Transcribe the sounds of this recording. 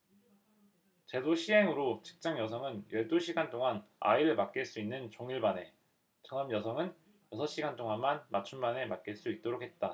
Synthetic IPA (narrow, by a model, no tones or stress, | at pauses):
t͡ɕe̞doɕʰiɦe̞ŋɯɾot͡ɕɯ̥k̚t͡ɕ͈aŋjʌsʰʌŋɯnjʌɭt͈oɕʰiɡantʰoŋana̰iɾɯɭmak̚k͈iɭs͈uinːɯnt͡ɕoŋiɭbane̞ | t͡ɕʌŋʌmjʌsʰʌŋɯn | jʌsʰʌɕ͈iɡantʰoŋanmanmat͡ɕʰumbane̞mak͈iɭs͈uit̚t͈oɾokʰe̞t̚t͈a